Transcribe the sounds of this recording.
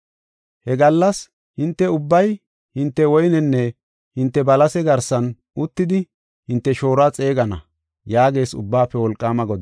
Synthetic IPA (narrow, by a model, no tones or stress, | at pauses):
hɛɡɐlːɐs | hɪnt̪ːɛʊbːɐj | hɪnt̪ːɛwɔjnɛnːɛ | hɪnt̪ːɛbɐlɐsɛɡɐɾsɐn | ʊt̪ːɪd̪ɪ | hɪnt̪ːɛʃo̞ːɾaːt͡sʼe̞ːɡɐnɐ̰ | jaːɡe̞ːsʊ̰bːaːpːɛwɔlkʼːaːmɐɡɔd̪